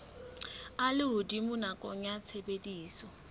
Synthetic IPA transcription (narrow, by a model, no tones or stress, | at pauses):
alɪʊdimʊnakʼɔŋjat͡sʰebediːsɔ